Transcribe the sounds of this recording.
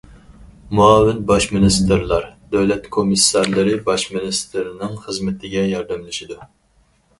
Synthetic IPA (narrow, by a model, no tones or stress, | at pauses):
muɑːwɪnbɑʃmɪnɨst̪ɨɾlˠɑɾd̪ɛwlɛt̪kʰomisːɑɾlˠɨɾɨbɑʃmɪnɪst̪ʰɨɾɪnɪŋχəzmɪt̪ʰɪɡʲɛjɑɾd̪ɨmlˠɪʃid̪u